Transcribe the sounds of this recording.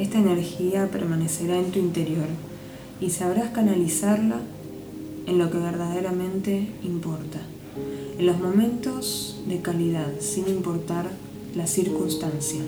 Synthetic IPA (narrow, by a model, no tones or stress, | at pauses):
est̪aeneɾxiapeɾmane̞se̞ɾae̞nt̪uint̪e̞ɾjo̞ɾ | isaβɾaskanalisaɾla | enlo̞ke̞β̞eɾðað̞eɾamẽ̞nt̪e̞impo̞ɾt̪a | enlo̞zmõ̞mẽ̞nt̪o̞z | ðe̞kalið̞aðsinimpo̞ɾt̪aɾ | lasiɾkunst̪ansja